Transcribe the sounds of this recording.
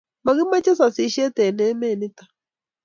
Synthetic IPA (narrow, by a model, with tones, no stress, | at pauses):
ma˨ɣi˦ma˦t͡ʃɛ˦sa˨si˨˦ʃɛ˦t̪ɛ˨nɛ˨˦mɛ˦˨ni˦tḁ˨